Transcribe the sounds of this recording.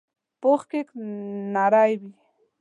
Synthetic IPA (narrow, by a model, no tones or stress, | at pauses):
poχkɪknaɾajbi